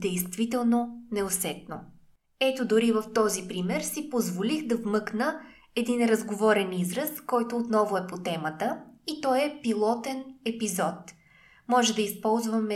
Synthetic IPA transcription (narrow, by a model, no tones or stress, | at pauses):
d̪ɛjst̪vit̪ɛlˠnonɛosɛt̪̚no | ɛt̪od̪ʊɾivəft̪ɔzipɾimɛɾsipozvolixd̪ɐvmɤknə | ɛd̪inɾɐzɡovɔɾɛnizɾɐskɔjt̪oːt̪nɔvʊɛpot̪ɛmət̪əit̪ɔjɛpilˠɔt̪ɛnɛpizɔt̪ | mɔʒɛd̪ɐispɔlˠzvəmɛ